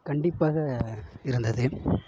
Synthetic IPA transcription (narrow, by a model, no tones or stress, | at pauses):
kɐɳɖɪpːaːɣɐɪɾɯnd̪ɐðɯ